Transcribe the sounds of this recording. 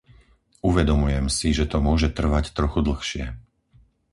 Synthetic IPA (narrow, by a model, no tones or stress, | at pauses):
uʋɛd̪ɔmujɛmsiʒɛt̪ɔmʊɔʒɛt̪r̩ʋact̪ɾɔxud̪l̩xʃɪɛ